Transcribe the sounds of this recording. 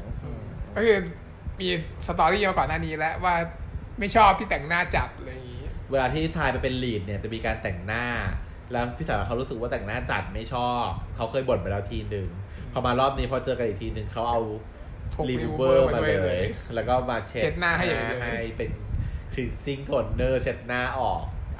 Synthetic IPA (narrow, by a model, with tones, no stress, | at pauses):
kɔ˥˩kʰɯː˧ | miː˧sa˧t̪ɔː˧ɾiː˥˩maː˧kɔː˨˩nːaː˥˩niː˦˥lɛ˦˥waː˥˩ | ma˥˩jt͡ɕʰɔː˥˩p̚t̪ʰiː˥˩t̪ɛ˨˩ŋnaː˥˩t͡ɕa˨˩p̪̚ʔlaː˧jŋiː˦˥˦weː˧laː˧t̪ʰiː˥˩t̪ʰaː˧jma˧jpe˧nliː˨˩t̪̚ni˥˩ɐt͡ɕa˨˩miː˧kaː˧nt̪ɛ˨˩ŋnaː˥˩ | lɛː˦˥wpʰi˦˥˩saː˨˩˦wa˧˩a˦˥wɾuː˦˥sɯ˨˩k̚waː˥˩t̪ɛ˨˩ŋnaː˥˩t͡ɕa̰˨˩t̪̚ma˥˩jt͡ɕʰɔː˥˩p̚kʰːa˦˥wkʰɤː˧jbo˨˩n̚pa˧jlɛː˦˥t̪ʰiː˧nɯ˨ŋ | pʰɾɔː˧maː˧ɾɔː˥˩p̚niː˦˥pʰɔ˧t͡ɕɤː˧ka˧nʔi˨˩k̚t̪ʰiː˧nɯ˨˧ŋkʰa˦˥wʔa˧wʰ | liː˧˦wɤː˥˩˧ma˧lɤː˧jlɛ˦˥wkɔː˥˩maː˧t͡ɕʰet͡ɕe˦˥t̪̚naː˥˩ɦa˥˩ja˨˥˩ɦa˥˩jpe˧nkʰɾi˦˩t̪̚si˥˩ŋt̪ʰoː˧˩nːɤː˥˩t͡ɕʰe˦˥t̪̚naː˥˩ʔɔː˨˩k̚